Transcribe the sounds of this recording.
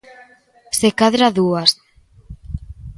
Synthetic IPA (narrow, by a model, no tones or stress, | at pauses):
sekaðɾaðuas